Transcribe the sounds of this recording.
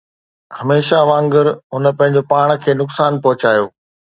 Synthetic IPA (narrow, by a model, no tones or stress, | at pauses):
hɐmeːʃaʋãːŋɡəɾɦʊnəpɐ̃ɦɪ̃ɲd͡ʑopaːɽ̃̆kʰeːnʊksaːnpɐɦʊt͡ɕaːjoː